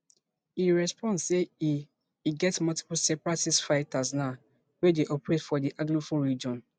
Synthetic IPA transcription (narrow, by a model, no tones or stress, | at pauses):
iɹɛspɔ̃nsei | iɡɛtmɔlti̥pulsɛpɹatisfaɪtasnaʊ | wedeʔɔpɹetfɔdiʔaɡlufuɹid͡ʒɔ̃n